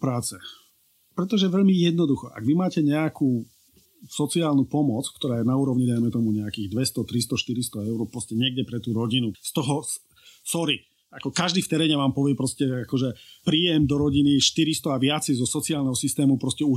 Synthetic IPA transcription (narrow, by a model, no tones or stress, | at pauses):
pɾaːt͡sɛ | pɾɛt̪ɔʒɛʋɛʎmijɛd̪nɔd̪uxɔʔa̰ɡʋimaːcɛɲɛakuː | sɔt͡siaːlnupɔmɔt͡sk̚t̪ɔɾaːjɛnauːɾɔʋɲid̪ajmɛt̪ɔmuɲɛakiːɣd̪ʋɛst̪ɔt̪ɾist̪ɔʃt̪iɾist̪ɔɛʊɾɔpɾɔscɛɲɛɡɟɛpɾɛt̪uːɾɔɟinust̪ɔɦɔs | sɔɾi | akɔkaʒd̪ift̪ɛɾɛːɲɛʋaːmpɔʋɪɛpɾɔscɛakɔʒɛpɾiːjɛmd̪ɔɾɔɟiniʃt̪iɾist̪ɔaʋɪat͡sɛzɔsɔt͡siaːlnɛɦɔsist̪ɛːmupɾɔscɛu